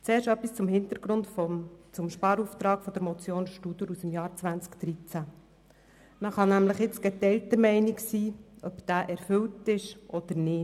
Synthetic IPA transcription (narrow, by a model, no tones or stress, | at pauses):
t͡seːɾʃœpːist͡sʊmhɪnt̪əɾɡ̥ɾʊntft͡sʊmʃpɑːɾuft̪ɾɑːkfɔd̥̪əɾmɔt͡sjoːnsʃtud̥̪əɾusmjɑːɾt͡sʋænt͡skd̥̪ɾit͡sæ | nɑχɑnæmləχɪt͡sɡ̥ɛtɛltəɾmɛɪnɪksiːœb̥d̪̥æːʔɛɾfʏltɪʃʔɔd̪̥əɾnɪ